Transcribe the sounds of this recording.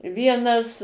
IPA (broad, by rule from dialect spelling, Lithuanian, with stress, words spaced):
ˈʋʲiɛnɐs